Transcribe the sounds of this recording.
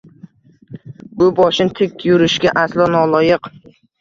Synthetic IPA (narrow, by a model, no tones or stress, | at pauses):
bʊbɒʃɪnt̪ʰɪkʲjʊɾɪʃɡʲaʔaslˠɒnɒlˠɒjɨq